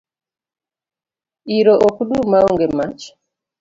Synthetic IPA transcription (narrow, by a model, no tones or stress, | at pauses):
iɾoʔɔkuɗumaɔŋɡɛmat͡ʃ